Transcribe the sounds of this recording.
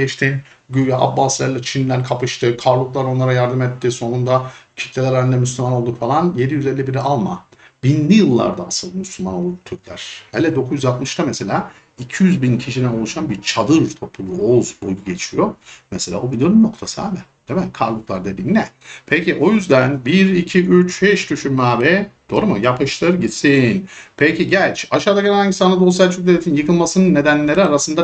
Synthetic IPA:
ɛʃt̪ʰin | ɟyjaʔabːaslʲæɾlat͡ʃʰind̪ænkʰapɯʃt̪ʰɯkʰaɾlˠuklˠaɾo̞nlˠaɾajaɾd̪ɯmɛt̪ːiːso̞nund̪acʰi̥t̪lʲelʲɛɾɛnd̪ɛmyslʲymanolˠd̪ukfalˠanje̞d̪ijyzelʲːibiɾialˠma | binlʲijɯlˠːa̰ɾd̪aːsɯlˠmyslʲːymano̞lˠd̪ut̪ʰyɾt̪ʲlʲæ̰ɾ̥helʲɛd̪o̞kʰuzjyzat̪mɯʃt̪amese̞lʲaː | icʰijyzbincʰiʃinɛno̞lˠuʃanbiɾt͡ʃʰad̪ɯɾt̪ʰo̞pʰulˠuozbujuɟe̞t͡ʃʰijomeselʲa̰ːbovid̪oɾunnːo̞kt̪ʰasɯha̰ːmɛd̪̥emænkʰaɾlˠuklˠaɾd̪e̞d̪iːnnɛpʰeciʔo̞jyzd̪ænbiɾicʰiʔyt͡ʃhɛʃd̪yʃynmaːvɛd̪̥o̞ːɾumujapʰɯʃlˠaɾɯɟit̪sinpʰecʰiɟælʲt͡ʃaʃaːd̪aɡeæhaɲɟisanad̪o̞sælʲt͡ʃʰyk̚d̪eet̪ʰinjɯkʰɯlˠmasɯnɯnːe̞d̪ænlʲe̞ɾiaɾasɯnd̪a

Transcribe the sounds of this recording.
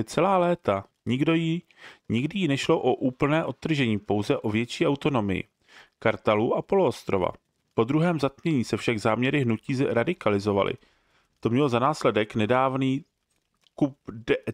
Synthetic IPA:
t͡sɛlaːlɛːt̪a | ɲɪɡdo̞jɪ | ɲɪɡdɪjɪnɛʃlo̞ʔo̞ʔuːpl̩nɛːʔo̞t̪t̪ːr̩ʒɛɲiːpo̞wzɛʔo̞vjɛt͡ʃiːʔawt̪o̞no̞mɪ̰jɪ̰ | kaɾt̪aluːʔapo̞loost̪ɾo̞va̰ | po̞d̪ɾuɦɛːmzat̪̚mɲɛɲiːsɛfʃaɡzaːmɲɛɾɪɦnuciːzɾadɪkalɪzo̞va̰lʔɪ̰ | t̪o̞mɲɛlo̞zanaːslɛdɛknɛdaːvniː | kup̚dɛ

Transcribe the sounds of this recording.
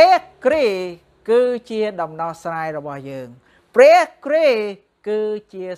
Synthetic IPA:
ɛəhkre | kɨːt͡ɕiəɗɑmnɑhsraːjrɔɓɑhjəːŋ | prɛəhkreː | kɨːt͡ɕiə

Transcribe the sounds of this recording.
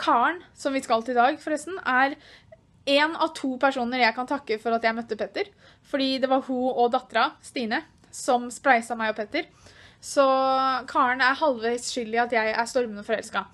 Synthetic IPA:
kʰɑːəɳsɔmʋɪskɑlt̪ɪd̪ɑːɡfɔɾɛst̪n̩æɾ | eːnɑ̰ʋt̪ʰuːpʰæʂuːnəɾjæɪkɑnt̪ʰɑkːəfɔɾɑt̪jæɪmœt̪ːəpʰeːt̪əɾ | fɔɖiːd̪ɛʋɑɾhuɔd̪ɑt̪ːɾɑst̪iːnə | sɔmspɾæɪsɑmæɪɔpʰeːt̪əɾ | sɔkʰɑːəɳæɾhɑlʋeɪsʃʏld̪ɪɑt̪jæɪʔæʂt̪ɔɾmənəfɔɾɛ̰lskɑ

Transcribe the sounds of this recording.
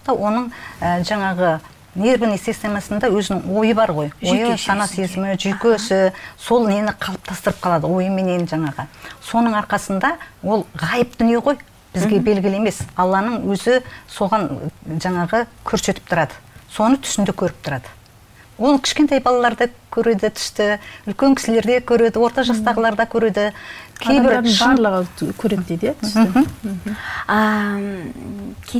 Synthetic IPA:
t̪ɑwʔo̞nəɴəʒɑɴɑʁə | ne̞ɾbɪnest̪esɑjmɑsənd̪ɑwɵzɪnɪŋwo̞jəbɑɾʁo̞jwo̞jəsɑnɑsezɪmɪʒʏjkʲøsɪso̞lˠne̞nɪqʰɑlˠəp̚t̪ʰɑst̪əɾəp̚qʰɑlˠɑd̪əwo̞jəme̞ne̞nʒɑɴɑʁəso̞nəɴɑɾqɑsənd̪ɑwo̞lˠʁɑjəp̚d̪ʏnije̞ʁo̞j | b̥ɪzɡʲe̞be̞lɡʲɪlɪe̞me̞sɑlˠːɑnəɴwɵzɪso̞ʁɑnʒɑɴɑʁəkʲʰɵɾse̞t̪ɪ̥pt̪ʊɾɑd̪əso̞nət̪ʰʏ̥sɪnd̪ekʲʰɵɾɪp̚t̪ʰʊɾɑd̪̥ə̥ | wo̞lˠkʲʰɪ̥ʃkʲet̪ejbɑlˠɑlˠɑɾd̪ɑkʲʰɵɾe̞d̪ɪt̪ʰʏ̥st̪ɪʏlkʲe̞ŋkʲʰɪ̥sɪle̞ɾd̪e̞kʲʰɵɾe̞d̪ɪwo̞ɾt̪ɑʒɑst̪ɑʁəlˠɑɾd̪ɑkʲʰɵɾe̞d̪ɪkʲʰejbɪɾɑɾlˠəʁəkʲʰɵɾed̪ed̪jat̪ʏsɪ | ə

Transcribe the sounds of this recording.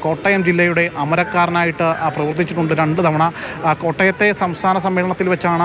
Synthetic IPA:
ko̞ːʈːɐjɐmd͡ʑilːɐjuɽe̞ʔɐmɐɾɐkːaːɾɐnaːjiʈːɨprɐʋɨrt̪ːit͡ɕːiʈːuɳɖɨɾeɳɖɨt̪ɐʋɐɳɐko̞ːʈːɐjɐt̪ːe̞sɐmst̪ʰaːnɐsɐmʋiːɭɐɳɐt̪ːilʋet͡ɕːaːɳɨ

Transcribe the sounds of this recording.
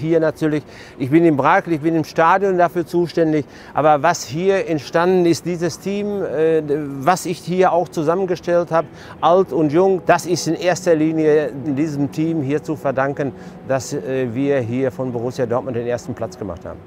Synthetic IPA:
hiːɐnatʰyːɐlɪç | ʔɪçb̥ɪnɪmbʁaɪkl̩ɪçb̥ɪnɪmʃtaːdjɔndafyːɐt͡suːʃtɛndɪç | ʔaːbɐvashiːɐɛntʃtandn̩ɪst̚d̥iːzəstʰiːmː | vasɪçhiːɐaʊxt͡suzamənɡəʃtɛlthaːbə | ʔaltʊntjʊŋd̥asɪstɪnʔeːɐstɐliːnjəɪndiːzəmtʰiːmɦiːɐt͡sufɛɐdaŋkən | d̥asɛːviːɐɦiːɐfɔnboʁʊsjadɔɐt̚mʊntd̥eːnʔeːɐstn̩pl̥at͡sɡ̥əma̰χtha̰ːbm̩

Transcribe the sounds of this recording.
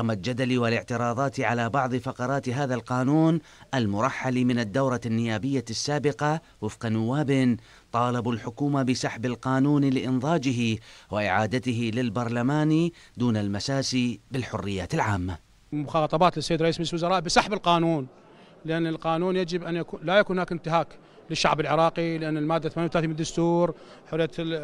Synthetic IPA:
mald͡ʒad̪aliwɪlɪʕt̪ɪɾˤɑːðˤɑːt̪ʕalabɑʕðˤɨfɑqɑɾˤɑːt̪ɦaːðalqɑːnuːn | ʔalmʊɾˤɑħːalimɪnad̪ːawɾˤɑnːɪjaːbɪjːasːaːbɪqɑ | wɪfqɑnʊwːaːbɪn | t̪ˤɑːlɑbʊlħʊkuːmabɪsɑħbɪlqɑːnuːnlɪʔɪnðˤɑːd͡ʒɪɦiwɪʔɪʕaːd̪at̪ɪɦɪlɪlbɑɾˤlamaːni | d̪uːnalmasaːsibɪlħʊrːɪjːaːt̪ɪlʕaːmːa | mʊxɑːt̪ˤɑbɑːt̪lɪsajːd̪ɾˤʔiːsmad͡ʒislwʊzɑɾˤɑːʔbɪsˤɑħbɪlqɑːnuːn | lɪʔanːɪlqɑːnuːnjad͡ʒɪbʔanjakuːlajakuːnhnaːkɪnt̪ɪɦaːk | lɪʃːa̰ʕbɪlʕɪɾˤɑːqilɪʔanːɪlmaːd̪ːaθmaːnjawθalaːθimːd̪ːʊst̪uːɾ | ħʊrɪjːa

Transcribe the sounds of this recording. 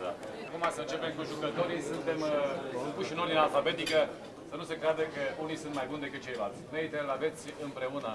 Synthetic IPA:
akumasəɨnt͡ʃepe̞mkuʒukət̪o̞ɾisunt̪e̞msum̚puʃinoɾd̪inalfabe̞t̪ikə | sənusekɾead̪əkəunisunt̪majbund̪e̞kɨt̪̚t͡ʃe̞jlalt̪sʲneijt̪əlave̞t̪sʲɨmpɾe̞unə

